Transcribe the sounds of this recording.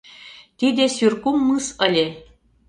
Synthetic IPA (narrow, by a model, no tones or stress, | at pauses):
t̪id̪esʲyrkumːɯsə̆lʲe